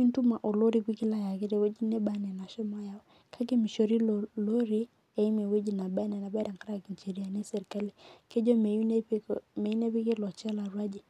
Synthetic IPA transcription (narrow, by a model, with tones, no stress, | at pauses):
i˦n˦tu˦ma˨ʔo˨lo˦ɾi˦kwi˦kɪ˦la˦ja˨kɪ˦ɾe˨we˦d͡ʒi˦ne˦ba˦nɛ˨na˨ʃɔ˦ma˦ja˨˦ | kʰa˦k̬e˦mi˨ʃo˨ɾi˦lolo˦ɾi˦ | e˦i˦me˨we˦d͡ʒi˨na˨ba˦nɛ˨na˨ba˦da˨ŋka˦ɾa˦ki˨nt͡ʃe˨ɾi˨a˨ne˦sɛ˨ɾka˦li˨ke˦d͡ʒo˦me˨˦n˦me˨i˦ne˦pi˦kɪ˦lɔ˨t͡ʃa˦la˨ɾwa˦d͡ʒi˨